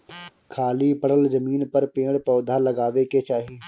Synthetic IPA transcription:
kʰaːliːpəɽəlzəmiːnpəɾpẽːɽpɔːd̪ʱaːləɡaːʋeːkeːt͡ʃaːɦiː

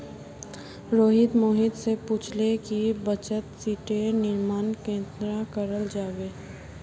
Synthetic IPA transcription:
ɾoːɦɪd̪moːɦɪd̪sepuːt͡ʃʰlekibət͡ʃət̪siːʈenɪɾmaːnkẽːnd̪ɾakəɾəld͡ʒaːʋeː

